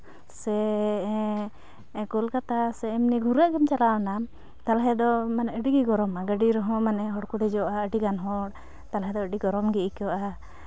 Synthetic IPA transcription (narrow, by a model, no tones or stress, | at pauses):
sɛ | kɔlkat̪asɛɛmniɡʱuɾaʔɡɛmt͡ʃalaɔnam | t̪alaɦɛd̪ɔmanɛəɖiɡiɡɔɾɔmaɡəɖiɾɔɦɔ̃manɛɦɔɽkud̪ɛd͡ʒɔʔaəɖiɡanɦɔɽ | t̪alaɦɛd̪ɔəɖiɡɔɾɔmɡiikɔʔa